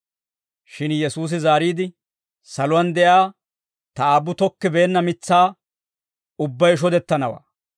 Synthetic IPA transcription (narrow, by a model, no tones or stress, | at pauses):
ʃɪnjɛsuːs̬ɪzaːɾiːd̪ɪ | sɐlʊwɐnd̪ɛjaː | t̪ɐaːbːʊt̪ɔkːɪbeːnːɐmɪt͡sːaː | ʊbːɐjɪʃ̬ɔd̪ɛt̪ːɐnɐwa̰ː